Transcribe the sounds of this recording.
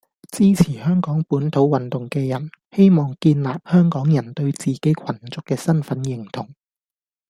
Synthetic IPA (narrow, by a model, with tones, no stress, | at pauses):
t͡siː˥t͡sʰiː˨˩hœː˥ŋkɔː˨˥ŋpuː˨˥nt̪ʰo˨˥wwɐ˨nt̪ʊ˨ŋkɛː˧jɐ˨˩nhe˥jmɔː˨ŋkiː˧nlaː˨p̚hœː˥ŋkɔː˨˥ŋjɐ˨˩nt̪ɵ˧ɥt͡siː˨ke˨˥jkʷʰɐ˨˩nt͡sʊ˨kːɛː˧sɐ˥nfɐ˨˥njɪ˨˩ŋt̪ʰʊ˨˩ŋ